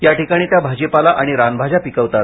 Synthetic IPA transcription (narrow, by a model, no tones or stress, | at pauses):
jaʈikaɽ̃iːt̪jabʱad͡ʑepalaʔaɽ̃iɾanbʱad͡ʑapikəʋt̪at̪̚